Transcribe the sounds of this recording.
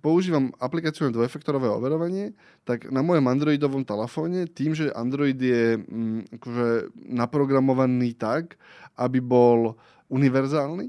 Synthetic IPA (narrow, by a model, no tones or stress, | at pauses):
pɔuʒiːʋamaplikaːt͡siɪʊnɛd̪ʋɔɛfɛk̚t̪ɔɾɔʋɛːɔ̰ʋɛɾɔʋaɲɪɛ | t̪aɡnamɔjɔmand̪ɾɔid̪ɔʋɔmt̪ɛlɛfɔːɲɛt̪iːmʒɛʔa̰nd̪ɾɔid̪jɛ | akɔʒɛnapɾɔɡɾamɔʋaniːt̪ak | ʔabibɔl | uniʋɛɾzaːlni